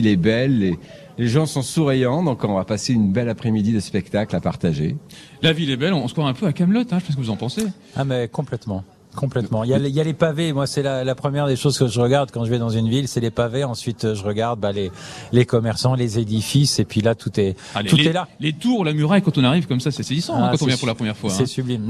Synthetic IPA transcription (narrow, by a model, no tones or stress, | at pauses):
ilɛbɛlːe | leʒɑ̃sɔ̃suʁijɑ̃d̪ɔ̃kɔ̃vapaseynbɛlapχɛmid̪id̪əspɛkt̪aklapa̰ʁt̪aʒḛ | lavilɛbɛlɔ̃ːskwaɛ̃pøakamlɔt̪ɛ̃ʒəpɛ̃s̬kəvuzɑ̃pɑ̃se | abɛkɔ̃plɛt̪mɑ̃ | kʰɔ̃plɛmɑ̃iljaliljalepavemwasɛlalapχəmjɛʁd̪eʃozkəʒəʁəɡaʁd̪kɑ̃ʒəvɛd̪ɑ̃zynvilsɛlepaveɑ̃sɥit̪ʒəʁəɡaʁd̪̚balelekɔmɛʁsɑ̃lezed̪ifisepɥilat̪ʰut̪ɛ | ut̪ɛlalet̪uʁlamyʁajkɑ̃t̪ɔ̃naʁivkɔmsasɛsezisɑ̃ɛ̃kɑ̃t̪ɔ̃vjɛ̃puʁlapχəmjɛʁfwasɛsyblim